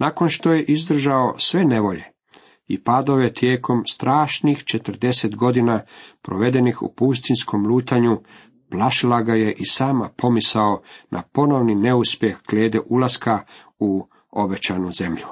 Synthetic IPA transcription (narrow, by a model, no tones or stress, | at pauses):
nako̞nʃt̪o̞je̞ʔizd̪r̩ʒaosʋe̞ne̞ʋo̞ʎe̞̰ | ḭpad̪o̞ʋet̪je̞ːkʰo̞mst̪ɾʔaːʃnixt͡ʃet̪r̩d̪e̞set̪ɡo̞d̪inapɾoʋe̞d̪e̞nixṵpus̬t̪insko̞mluːt̪aɲu | plaʃilaɡaje̞ʔisaːmapʰo̞misao̞nʔa̰po̞no̞ʋnine̞uspje̞xɡ̥leːd̪eʔulˠaska | u | o̞be̞t͡ɕanuze̞mʎu